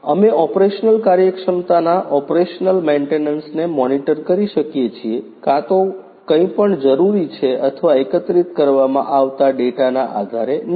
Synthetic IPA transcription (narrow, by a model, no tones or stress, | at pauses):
əmeʔɔpɾeʃnəlkaɾjəkʃəmt̪anaʔɔpɾeʃnəlmeɳʈenənsnemɔniʈəɾkəɾiʃəkjet͡ʃʰie | kãt̪o | kə̃ĩpəɳd͡ʒəɾuɾit͡ʃʰeət̪ʰʋaekət̪ɾit̪kəɾʋamã̰ʔaʋt̪aɖeʈanaʔa̰d̪ʱaɾen